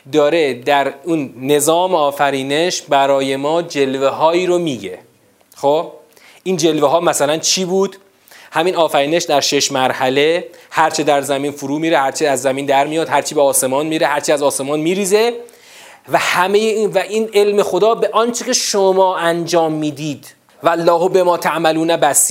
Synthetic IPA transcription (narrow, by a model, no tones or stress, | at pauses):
d̪ɒːɾe̞d̪æɾunːe̞zɒːmeɒːfæɾiːne̞ʃbæɾɒːje̞mɒːd͡ʒe̞lve̞ɦɒːiːɾomiːɡe̞̰ | xob̥ | ʔind͡ʒe̞lveɦɒːmæsælænt͡ʃʰiːbuːd̪ | hæmiːnɒːfæɾiːne̞ʃd̪æɾʃeʃmæɾhæle̞hæɾt͡ʃʰed̪æɾzæmiːnfuɾuːmiːɾe̞hæɾt͡ʃʰeæzːæmiːnd̪æɾmijɒːd̪̥hæɾt͡ʃʰiːbeɒːse̞mɒːnmiɾehæɾt͡ʃʰiæzɒːse̞mɒːnmiːɾiːze̞ | væhæme̞jeinvæʔiːnelme̞xo̞d̪ɒːbe̞ʔɒːnt͡ʃʰekcʰe̞ʃomɒːʔænd͡ʒɒːmːiːd̪iːd̪ | vælːɒːhobe̞mɒːt̪ʰæʔmæluːnæbæsi